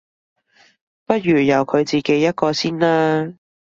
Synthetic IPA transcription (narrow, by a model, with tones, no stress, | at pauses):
pɐ˥t̚ɥyː˨˩jɐ˨wkʰɵ˨˧ɥt͡siː˨ke˨˥jːɐ˥t̚kɔː˧siː˥nlaː˥